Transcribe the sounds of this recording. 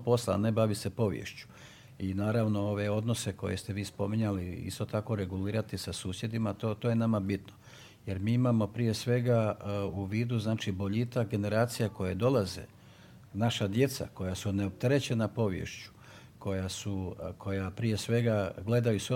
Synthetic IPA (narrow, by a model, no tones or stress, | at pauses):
po̞slˠane̞baʋise̞po̞ʋjḛʃt͡ɕu̥ | inaːɾaʋno̞o̞ʋe̞o̞d̪no̞se̞ko̞je̞st̪e̞ʋiːspo̞miɲaliḭst̪o̞t̪ako̞ɾe̞ɡuliːɾat̪isasuːsje̞d̪imat̪ot̪oːje̞namabit̪no | je̞ɾmiːimamo̞pɾije̞sʋe̞ɡauʋiːd̪uznaːt͡ʃibo̞ʎit̪akɡe̞ne̞ɾaːt̪sijako̞jed̪o̞lˠazḛ | naʃad̪je̞t̪sa̰ko̞jasuneop̚t̪eɾe̞t͡ɕe̞napo̞ʋjḛʃt͡ɕu̥ | ko̞jasukʰo̞japɾije̞sʋe̞ɡaɡle̞d̪ajuso